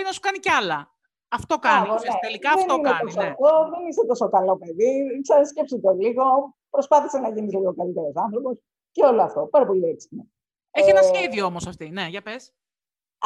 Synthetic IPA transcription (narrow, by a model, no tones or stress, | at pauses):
inɐsu̥kɐniceɐlɐ | ɐft̪okɐɣoneelikɐðenineɐosoɐt̪oðenist̪et̪o̞so̞kɐlo̞pe̞ðiksɐɾisce̞psit̪oliɣo̞ | pɾo̞spɐθise̞nɐʝinisliɣo̞kɐlit̪eɾo̞sɐnθɾo̞pos | ceoloɐft̪o̞pɐɾɐpo̞liesi̥mo | eçienɐsçeðioomosɐft̪ine̞ʝɐpes